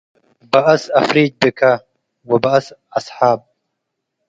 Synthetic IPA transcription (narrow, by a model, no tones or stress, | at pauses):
bɐʔɐsɐfɾiːd͡ʒ̚bikʰɐ | wɐbɐɐsɐsħaːb̚